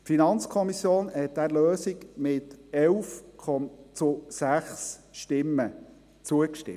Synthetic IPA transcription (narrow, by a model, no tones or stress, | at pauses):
tfinɑnt͡skʰɔmisjoːnhɛt̚d̥̪æɾløːsikmɪtɛlfkʰɔmt͡sʊsæχsʃtɪmːə | t͡suəkʃtɪ̰m